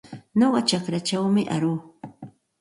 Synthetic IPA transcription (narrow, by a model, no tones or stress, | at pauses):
ɲoɢɑt͡ʃakɾat͡ʃawmɪʔa̰ɾuː